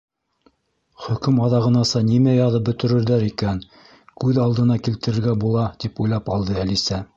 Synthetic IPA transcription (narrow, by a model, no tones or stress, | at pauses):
χɵ̆kɵmɑðɑʁɤ̆nɑsɑnimæjɑðɤp̚bɵ̆t̪ɵ̆ɾɘ̆ɾðæɾikæn | kʉðɑlˠd̪ɤ̆nɑkilt̪ɘ̆ɾɘ̆ɾɡæbulˠɑt̪ipujlˠɑpɑlˠd̪ɤælisæ